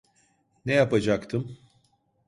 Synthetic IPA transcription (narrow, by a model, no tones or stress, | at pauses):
nejapad͡ʒakt̪ʰɯm